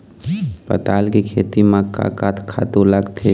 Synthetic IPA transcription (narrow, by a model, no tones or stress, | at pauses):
pə̰t̪aːlkikʰeːt̪imãka̰ːkat̪ʰkʰa̰t̪uləɡt̪ʰe